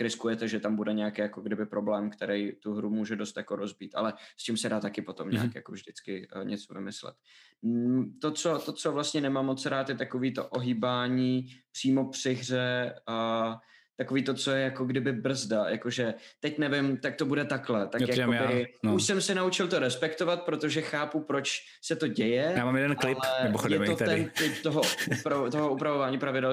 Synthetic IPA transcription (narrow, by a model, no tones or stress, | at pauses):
ɾɪskujɛt̪ɛʒɛt̪ambudɛɲɛjakɪjakoɡdɪbɪpɾo̞blɛːmkt̪ɛɾɛjt̪uɦɾumuːʒɛdo̞st̪jako̞ɾozbiːt̪ʔa̰lɛst͡ʃɪmsɛdaːt̪akɪpot̪omɲɛ̰akjakovʒdɪt͡skɪɲʔɛt͡sovɪ̰mɪslɛ̰t̪ | t̪ot͡so̞t̪ot͡sovlast̪ɲɛnɛmamːot͡sɾaːt̪jɛt̪akoviːt̪o̞̰ʔoɦiːbaːɲiːpr̥iːmo̞pr̥ɪɦr̝ɛ | t̪ako̞viːt̪o̞t͡so̞jɛjako̞ɡdɪbɪbr̩zdaja̰ko̞ʒɛt̪ɛcnɛvɪmt̪ak̚t̪o̞budɛt̪aklɛt̪akaobɪuʃsɛmsɛnaut͡ʃɪlt̪o̞ɾɛspɛkt̪ovat̪̚pɾo̞t̪oʒɛxaːpupɾo̞t͡ʃ | sɛt̪o̞ɟɛjɛjaːmaːmjɛdɛnklɪplɛmɪmoxodjɛmot̪ɛnt̪ɪp̚t̪oɦoupɾat̪oɦoʔupɾavovaːɲiːpɾavɪdɛl